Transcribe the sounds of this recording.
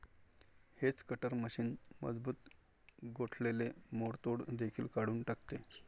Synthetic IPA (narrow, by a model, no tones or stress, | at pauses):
het͡skəʈəɾməɕiːnmə̰d͡zbuːt̪ | ɡoʈʰlelemoɽt̪oɽd̪ekʰiːlkaɽuːnʈakt̪e